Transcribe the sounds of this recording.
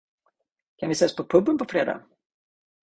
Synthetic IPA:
kʰanvɪseːspʰɔpʰɵbːənpʰɔfɾeːd̪a̰

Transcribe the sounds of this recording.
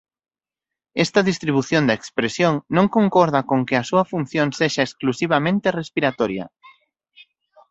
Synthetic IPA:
ɛst̪ɐðist̪ɾiβuθjond̪ɐekspɾesjoŋnõŋkoŋkɔɾð̞ɐkoŋkɪɐsuɐfun̟θjoŋseʃaesklusiβ̞amẽnt̪erespiɾat̪ɔɾjɐ̰

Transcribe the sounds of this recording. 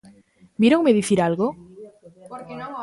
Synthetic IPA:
bjeɾowmeðiθiɾalɣo

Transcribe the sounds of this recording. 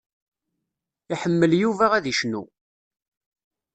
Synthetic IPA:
iħəmːəljuvæʁæðiʃnṵ

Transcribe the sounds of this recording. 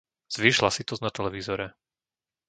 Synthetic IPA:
z̥ʋiːʃlasit̪ɔznat̪ɛlɛʋizɔɾɛ

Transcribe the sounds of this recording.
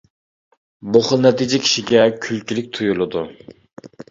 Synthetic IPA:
boχʊlˠnɛt̪id͡ʒɪkʲʰi̥ʃiɡʲɛkʲʰylkʲylɪk̚ʲt̪ʰujulˠɨd̪u

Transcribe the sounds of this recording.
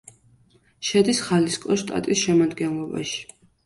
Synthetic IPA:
ʃɛd̪isχaliskʼɔʃt̪ʼa̰t̪ʼisʃɛmad̪ɡɛnlˠɔba̰ʃi̥

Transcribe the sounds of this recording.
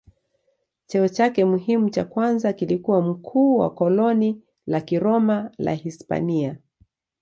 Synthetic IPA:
t͡ʃɛɔt͡ʃakɛmuɦimut͡ʃakwanzakilikuwam̩kʰuːwa̰kɔlɔni | lakiɾɔmala̰hispa̰nia

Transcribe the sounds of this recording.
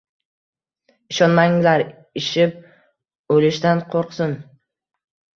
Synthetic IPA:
ɪʃɒnmaŋlaɾ | ɪʃɪp̚ | olɪʃt̪anqʰoɾqsʊn

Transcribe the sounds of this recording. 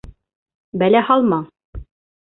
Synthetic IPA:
bælæhɑlˠmɑ

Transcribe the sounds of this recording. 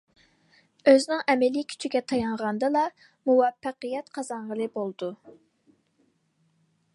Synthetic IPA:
øznɪŋʔɛmɛlikʲʰy̥t͡ʃʰiɡʲɛt̪ʰɑjɑɴʁɑnd̪ɨlˠɑ | muwɑfːæqijɛt̪qʰɑzɑɴʁəlˠɨbolˠd̪u

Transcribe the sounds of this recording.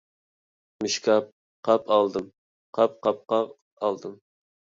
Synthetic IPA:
mɨʃkʰɑp̚ | qʰɑpʰɑlˠd̪ɨm | qʰɑp̚qʰɑp̚qɑ | ɑlˠd̪ɨm

